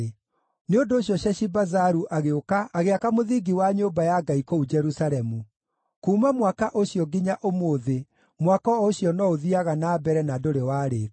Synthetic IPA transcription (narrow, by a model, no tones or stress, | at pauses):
neondoːɕjɔɕɛɕibazaɾuʔaɣeokaːɣeakamoðiɡiwaɲoːbajaɡaikoud͡ʒɛɾusaɾɛmu | kuːmamwakaʔoɕiɔɡiɲaʔomoːðe | mwakɔoɕijɔnɔoðiaɣanabɛɾɛnadoɾewaːɾe